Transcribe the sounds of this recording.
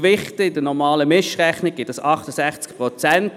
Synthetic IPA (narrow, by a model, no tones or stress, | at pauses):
vɪχtəɪd̥ənɔʁmɑːləmɪʃʁɛχnɪɡ̚ɡ̥ɪtəsɑχtəsæχt͡skpʁɔt͡sɛnt